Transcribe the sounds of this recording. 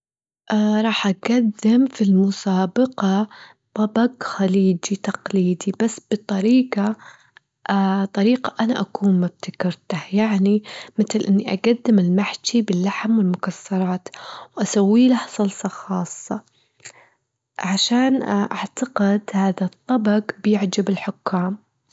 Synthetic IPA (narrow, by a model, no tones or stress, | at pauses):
ʔaɾˤɑːħʔaɡad̪ːɪmfilmʊsaːbɑqɑ | t̪ˤɑbɑɡxaliːd͡ʒit̪ɑqliːd̪ibasːb̥ɨt̪ˤɑɾiːqɑ | ʔat̪ˤɑɾiːqɑʔanaʔakuːnmab̚t̪akɪɾt̪ahjaʕnimɪt̪lʔɪnːiʔa̰ɡad̪ːɪmɪlmaħt̪ibɪlːaħmwɪlmʊkasːɑɾˤɑːt̪wʔasawːiːlahsˤɑlsˤɑxɑːsˤːɑ | ʕaʃaːnʔaʕt̪ɑqɪd̪haːðat̪ˤːɑbɑɡbjɪʕd͡ʒabɪlħʊkːaːm